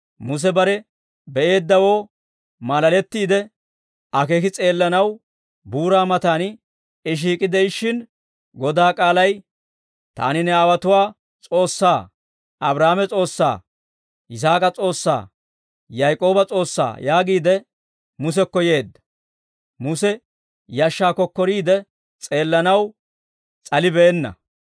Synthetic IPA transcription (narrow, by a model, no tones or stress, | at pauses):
mʊs̬ɛbɐɾɛ | bɛʔe̞ːd̪ːɐwo̞ː | mɐlɐlɛt̪ːiːd̪ɛ | ɐke̞ːkɪt͡sʼe̞ːlːɐnɐw | buːɾaːmɐt̪aːn | ɪʃ̬iːkʼɪd̪ɛjɪʃːɪn | ɡɔd̪aːkʼaːlɐj | t̪a̰ːnɪnɛaːwɐt̪ʊwaː | t͡sʼo̞ːsːaː | ɐbɾaːmɛt͡sʼo̞ːsːa̰ː | ɪs̬aːkʼɐt͡sʼo̞ːsːa̰ː | jajkʼo̞ːbɐt͡sʼo̞ːsːa̰ːjaːɡiːd̪ɛ | mʊs̬ɛkːɔje̞ːd̪ːɐ̥ | mʊsɛ | jaːʃːaːkːɔkːɔɾiːd̪ɛ | t͡sʼe̞ːlːɐnɐw | t͡sʼɐlɪbɛːnːɐ̰